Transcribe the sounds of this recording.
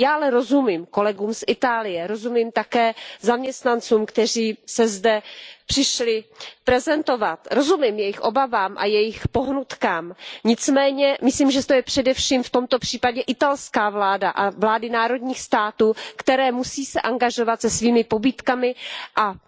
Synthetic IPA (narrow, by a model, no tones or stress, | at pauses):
jaːʔalɛɾo̞zumiːmko̞lɛɡuːmsʔɪt̪aːlɪjɛɾo̞zumiːmt̪akɛːzamɲɛst̪nant͡suːmkt̪ɛr̝iːsɛzdɛpr̝̥ɪʃlɪpɾɛzɛnt̪o̞vat̪ɾo̞zumimjɛjɪxʔo̞bavaːmʔa̰jɛjɪxpo̞ɦnut̪kaːmɲɪt͡smɛːɲɛmɪsliːmʒɛt̪ojɛpr̥ɛdɛfʃiːmft̪o̞mt̪o̞pr̝̥iːpaɟɛʔɪt̪alskaːvlaːdaʔavlaːdɪnaːɾo̞dɲiːxst̪aːt̪uːkt̪ɛɾɛːmusiːsɛʔaŋɡaʒo̞vat̪sɛsviːmɪpo̞biːt̪kamɪʔa